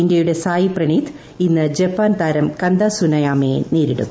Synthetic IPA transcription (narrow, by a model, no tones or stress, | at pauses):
indʲjɐjuɽe̞saːjiprɐɳit̪ʰ | inːɨd͡ʑepːaːnt̪aːɾɐmkɐnd̪aːsunɐjaːmeːniːɾiɽṵ